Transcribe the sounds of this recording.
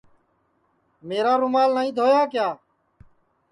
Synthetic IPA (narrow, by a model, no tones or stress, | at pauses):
meːɾaːɾʊmaːlnaːĩːd̪ʱoːjaːkjaː